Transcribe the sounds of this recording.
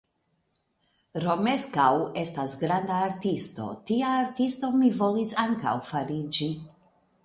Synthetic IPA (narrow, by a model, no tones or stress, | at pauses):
ɾo̞meskawe̞stasɡɾandaːɾtisto̞̰tiaːɾtisto̞mivo̞lisaŋka̰wfaɾid͡ʒi